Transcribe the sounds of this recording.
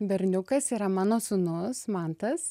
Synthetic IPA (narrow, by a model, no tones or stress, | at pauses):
bʲɛɾʲnʲʊkɐsiːɾɐmɑːnoːsʊnʊsmɑnt̪ɐs